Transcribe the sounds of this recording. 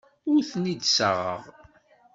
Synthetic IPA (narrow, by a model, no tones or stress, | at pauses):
ʊɾθnid̪səʁə̰ʁ